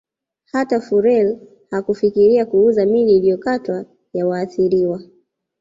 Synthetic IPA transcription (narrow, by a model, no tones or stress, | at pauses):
hatafuɾɛl | hakufikiɾiakuuzamiliːlijɔkatwa | jawaːθiɾiwa